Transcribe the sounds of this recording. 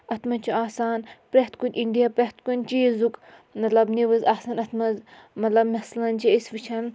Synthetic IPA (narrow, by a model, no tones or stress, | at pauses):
ɐt̪mɐnt͡ʃʰiaːsaːnpɾeht̪kunʲʔiɳɖijapɾʲeht̪kunʲt͡ʃizuk | mɐt̪lɐbneʋɐzaːsaːnɐt̪ʰmɐz | mɐt̪lɐbmɐslɐnt͡ʃiisʋit͡ʃʰɐn